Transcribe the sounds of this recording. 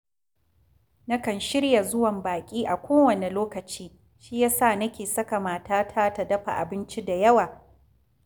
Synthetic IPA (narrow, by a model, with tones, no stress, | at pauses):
nɐ˦kɐ˨nʃɪ˦ɽja˨zʊ˦wɐ˨mbaː˨kʲʼiː˦ʔa˨kʷʰoː˦wɐ˨ne˨loː˦kɐ˨t͡ʃiː˦ | ʃiː˦jaː˦saː˦˨nɐ˦kʲeː˨sɐ˦ka˨maː˨taː˦tʰaː˦ta˨dɐ˦ɸa̰˨ʔa̰˨bɪ˦nt͡ʃi˦da˨jɐ˦waː˨